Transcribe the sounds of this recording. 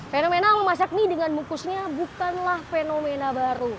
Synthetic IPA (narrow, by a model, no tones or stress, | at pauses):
fenomenaməmas̬ak̚nidəŋanmukusɲabukanlahfenomenabaɾu